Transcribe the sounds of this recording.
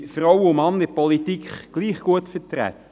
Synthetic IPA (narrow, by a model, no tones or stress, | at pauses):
fɾɔwəʊmɑnəpɔlitikχɡ̥liːχɡ̥uətfətɾæ̰t̪